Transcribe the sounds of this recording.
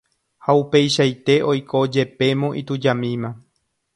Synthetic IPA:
haupe̞jʃajt̪e̞ʔo̞jkʰod͡ʒe̞pe̞mõʔit̪ud͡ʒamĩmã

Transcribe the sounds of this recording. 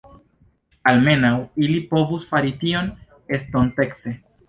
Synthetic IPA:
alme̞nawilipo̞vusfaɾitio̞n | e̞stonte̞kse̞

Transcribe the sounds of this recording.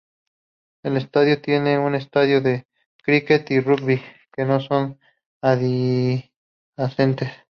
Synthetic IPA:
e̞le̞st̪aðjot̪je̞ne̞une̞st̪aðjoðe̞ | kɾike̞t̪irukβi | ke̞no̞so̞n | aði | aθe̞nt̪e̞s

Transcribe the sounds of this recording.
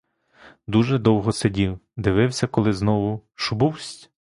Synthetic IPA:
d̪uʒɛd̪ɔwɦɔsedʲiwd̪ɪʋɪwsʲɐkɔlˠɪznɔʋʊʃʊbuwsʲtʲ

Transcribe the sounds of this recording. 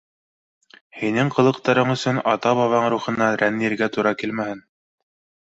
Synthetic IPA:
hinɘŋqɤ̆lˠɤ̆qt̪ɑɾɤɴɵ̆sɵnɑt̪ɑβɑβɑɴɾuχɤ̆nːɑɾænːĭɾɡæt̪uɾɑkilmæhɘn

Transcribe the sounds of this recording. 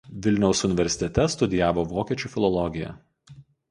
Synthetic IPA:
ʋʲɪlʲnʲɛʊsʊnʲɪʋʲɛɾʲsʲɪ̥t̪ʲɛt̪ʲɛst̪ʊd̪ʲɪjæːʋoːʋoːkʲiɛt͡ʃʲuːˑfʲɪlˠɔlˠɔɡʲɪjɛ̰

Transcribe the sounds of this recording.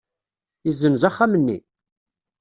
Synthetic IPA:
izːənzaχːamənːḭ

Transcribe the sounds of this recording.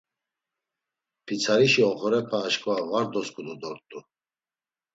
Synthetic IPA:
pʰit͡sʰaɾiʃiɔχɔɾɛpʰaːʃkʼuavaɾd̪ɔskʼud̪ud̪ɔɾt̪ʼu

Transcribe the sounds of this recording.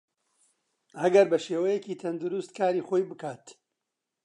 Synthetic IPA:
ɐɡɐɾbɐʃeːwɐjɛciːt̪ʰɐnd̪ʊɾʊst̪kʰaːɾiːχoːjbɨkaːt̪

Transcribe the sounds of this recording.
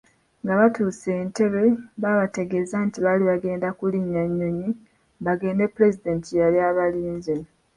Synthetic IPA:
ŋɡaβatuːse̞ːnte̞βe̞βaβate̞ɡe̞zantiβaliβaɡe̞ːndakuliɲːaɲːo̞ɲi | βaɡe̞ːndepːule̞zide̞ntijaljaːβaliːnze

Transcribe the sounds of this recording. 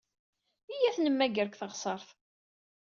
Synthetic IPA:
ijæθnəmːæɡəɾkθəʁsˤəɾˤθ

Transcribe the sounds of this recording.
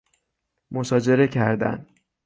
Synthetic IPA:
mo̞sɒːd͡ʒe̞ɾe̞cʰæɾd̪æ̰n

